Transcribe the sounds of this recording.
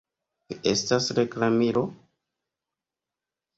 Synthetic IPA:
kie̞stasɾe̞klamiɾo̞

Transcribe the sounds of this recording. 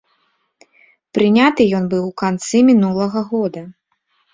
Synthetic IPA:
pɾɨnʲat̪ɨjɔnbɨwkant̪sɨmʲinulˠɐɣɐɣɔd̪ɐ

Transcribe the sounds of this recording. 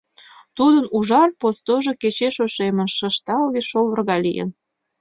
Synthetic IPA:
t̪ud̪ənuʒɑrpost̪oʒo̽ket͡ɕeʃoʃemə̆nʃə̆ʃt̪ɑlɣeʃolərɣɑlʲḭjə̰n

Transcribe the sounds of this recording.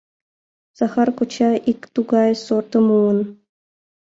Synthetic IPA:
z̥ɑχɑrkut͡ɕɑʔikt̪uɡɑjsort̪ɤ̆muə̆n

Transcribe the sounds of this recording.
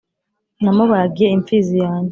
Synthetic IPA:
namoβajaɡijeiɱfizijaːɲe

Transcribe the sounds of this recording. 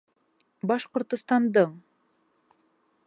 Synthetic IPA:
bɑʃqŏɾt̪ŭst̪ɑnd̪ɤɴ

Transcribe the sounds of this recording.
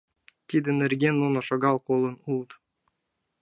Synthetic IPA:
t̪ʲid̪ɘ̆nɘ̆rɡʲenːonoʃŏɡɑlˠkolˠɤ̆nulˠt̪

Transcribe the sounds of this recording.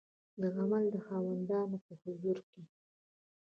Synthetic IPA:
d̪əɣamald̪əxɑwand̪ɑnopəhʊzuɾke

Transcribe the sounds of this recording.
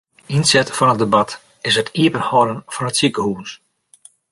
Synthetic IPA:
insɛtfɔnət̚dəbat | ɪsətʰiəpənhɔɾənfɔnətsikəhuːs

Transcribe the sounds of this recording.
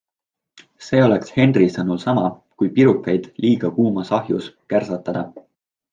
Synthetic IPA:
se̞ːo̞le̞kshe̞ndrisɤnulsɑmɑ | kujpiɾukːˑɑjd̪̥liːɡ̥ɑkuːmɑsɑɦjṵskærsɑt̪ːˑɑd̪̥ɑ̰

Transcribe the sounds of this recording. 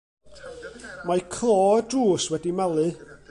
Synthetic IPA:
majkʰlˠoːədruːswɛdimalˠɨ

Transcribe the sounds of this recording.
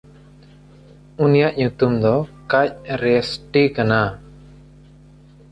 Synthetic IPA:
unijaʔɲut̪umd̪ɔkac̚ɾɛsʈikana

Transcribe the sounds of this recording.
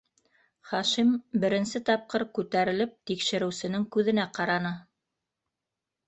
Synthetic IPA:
χɑʃimbɘ̆ɾɘ̆nsɘt̪ɑp̚qɤɾkʉt̪æɾɘ̆lɘp̚t̪ikʃɘ̆ɾɘ̆wsɘ̆nɘŋkʉðɘ̆næqɑɾɑnɤ

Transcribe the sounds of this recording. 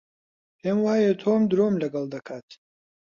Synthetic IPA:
heːmwaːjet̪ʰoːmd̪ɾoːmlɐɡɐld̪ɐkʰaːt̪ʰi̥

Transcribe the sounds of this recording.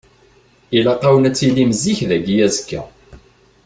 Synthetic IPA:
ilɑqɑwənæt͡sːilːimziçðæɡijæzkːæ̰

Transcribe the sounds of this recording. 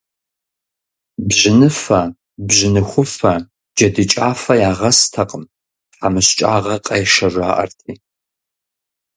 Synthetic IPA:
bʑɪnɨfɐ | bʑɪnɨxʷʊfɐ | d͡ʒɐdɨt͡ʃʼaːfɐjaːʁɐstʰɐqʼəm | ħamɨɕt͡ʃʼaːʁɐqʼɐjɛʃɐʒʷaːʔɐ̰rtʰiː

